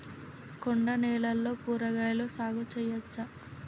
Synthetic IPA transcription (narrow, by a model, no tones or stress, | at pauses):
koɳɖɐnɛːlɐlːo̞ːkuːɾɐɡajloːsaːɡut͡ʃɛjɐt͡ʃːɐ